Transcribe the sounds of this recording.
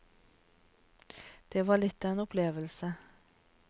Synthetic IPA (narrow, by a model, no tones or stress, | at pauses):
d̪̥eːʋɑːɭɪt̪ːenɔʊpʰleːʋəlsə